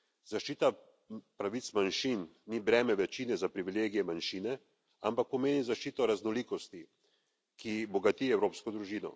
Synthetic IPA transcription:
zaʃt͡ʃiːt̪a | pɾaʋit̪smanʃinːibɾɛːmɛʋɛt͡ʃiːnɛzapɾiʋileːɡijɛmanʃiːnɛ | a̰mpak̚pɔmeːnizaʃt͡ʃiːt̪ɔɾaznɔliːkɔst̪i | kibɔɡat̪iɛwɾoːpskɔd̪ɾuʒiːnɔ̰

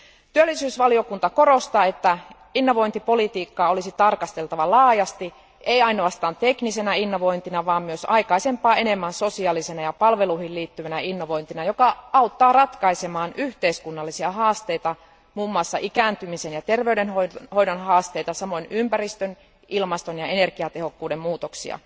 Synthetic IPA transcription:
t̪yølːisyːsʋɑlio̞kunt̪ɑko̞ro̞st̪ɑːet̪ːæ | inːo̞ʋo̞int̪ipo̞lit̪iːkːɑːolisit̪ɑrkɑst̪e̞lt̪ɑʋɑlɑːjɑst̪i | eiɑino̞ɑst̪ɑːnt̪eknise̞næinːo̞ʋo̞int̪inɑʋɑːmmyøsɑijkɑisempˑɑːe̞ne̞mːænso̞siɑlisenɑjɑpɑlʋe̞luihilliːt̪ːyʋænæinːo̞ʋo̞jnt̪inɑjo̞kɑɑut̪ːɑːrɑt̪kɑisemɑːnyht̪eiskunːɑlːisiɑɦɑːst̪eit̪ɑ | muːmːɑsːɑʔikænt̪ymisenjɑt̪erʋeydenhohoidonɦɑːst̪eit̪ɑsɑmo̞inympærist̪øn | ʔilmɑst̪onjɑenerkiɑt̪ehokːuːdemmuːt̪oksḭɑ̰

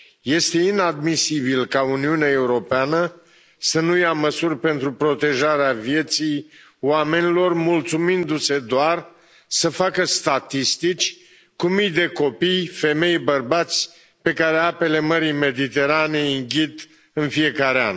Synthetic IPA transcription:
je̞st̪e̞inad̪misibilkauniuneae̞uɾo̞peanə | sənujaməsurʲpe̞nt̪ɾupɾo̞t̪e̞ʒaɾeavije̞t̪sij | wame̞nilo̞rmult̪sumind̪use̞d̪oar | səfakəst̪at̪ist̪it͡ʃʲ | kumijd̪e̞ko̞pijfe̞me̞jbərbat̪sʲ | pe̞kaɾe̞ape̞le̞məɾijme̞d̪it̪e̞ɾane̞iŋɡʲit̪ | ɨnfije̞kaɾea̰n

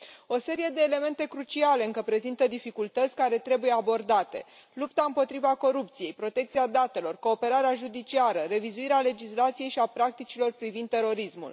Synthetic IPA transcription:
o̞se̞ɾije̞d̪e̞ːle̞me̞nt̪e̞kɾut͡ʃiale̞ɨŋkəpɾe̞zint̪əd̪ifikult̪ət̪sʲkaɾe̞t̪ɾe̞buje̞abo̞rd̪at̪e̞̰ | lupt̪aɨmpo̞t̪ɾivako̞ɾupt̪sije̞jpɾo̞t̪e̞kt̪siad̪at̪e̞lo̞rko̞ːpe̞ɾaɾeaʒud̪it͡ʃiaɾəre̞vizuiɾeale̞d͡ʒislat̪sije̞jʃiapɾak̚t̪it͡ʃilo̞rpɾivind̪e̞ɾo̞ɾismṵl

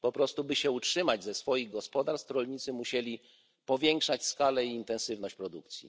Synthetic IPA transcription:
pɔpɾɔst̪ubɘɕɛutʂɘmad͡ʑzɛsfɔjiɣɡɔspɔd̪aɾst̪t̪ɾɔlɲit̪sɘmuɕelʲi | pɔvʲjɛŋkʂat͡ɕskalɛiːnt̪ɛ̃ñsɘvnɔɕt͡ɕpɾɔd̪uk̚t̪sʲjḭ

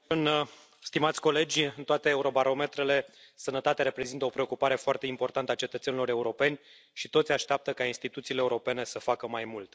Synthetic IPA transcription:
ɨn | st̪imat̪sʲko̞le̞d͡ʒʲɨnt̪oat̪e̞ːuɾo̞baɾo̞me̞t̪ɾe̞le̞ | sənət̪at̪eaɾe̞pɾe̞zint̪əo̞pɾe̞okupaɾe̞foart̪e̞impo̞rt̪ant̪əat͡ʃet̪ət̪senilo̞ɾe̞uɾo̞pe̞nʲ | ʃit̪o̞t̪sʲaʃt̪eap̚t̪əkainst̪it̪ut̪siːleːuɾo̞pe̞ne̞səfakəmajmult̪

